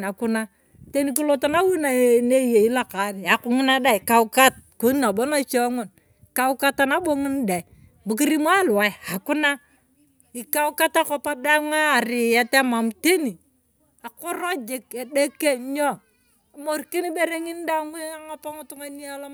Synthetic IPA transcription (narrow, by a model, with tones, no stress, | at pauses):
a˨ku˦na˦ | te˦ni˦ku˦lo˦ta˦na˦wu˦na˨ne˦je˨i˦la˦˨ka˨ni˨a˨ku˦ŋi˦na˦da˦˨i˨ka˦u˦ka˦t̚ku˦na˨bo˦na˦t͡ʃɔ˦ŋo˨n˨ | ka˦u˦ka˦ta˦na˦bo˦ŋi˦n˦da˨i˨ | bu˨ki˦ɾi˦ma˦la˨ja˨ku˦na˦ | i˨ka˦u˦ka˦ta˦ko˨pa˦da˦ŋaː˦˨ɾi˨ja˦te˦ma˨mte˦ni˨ | a˨ko˦ɾo˦d͡ʒe˨ke˨de˦kːe˦ɲɔ˦˨ | mo˦ɾki˦ni˦be˦ɾe˦ŋi˦n˦da˦ŋwe˦a˦ŋa˦pa˦ŋu˦tu˦ŋa˦ni˦a˦la˦